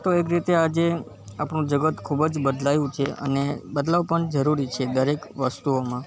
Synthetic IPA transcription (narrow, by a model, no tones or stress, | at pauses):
t̪oekɾit̪ead͡ʒe | apɳũd͡ʒəɡət̪kʰubd͡ʒbəd̪lajũt͡ʃʰeʔə̰nebəd̪laʋpəɳd͡ʒəɾuɾit͡ʃʰed̪əɾekʋəst̪uomã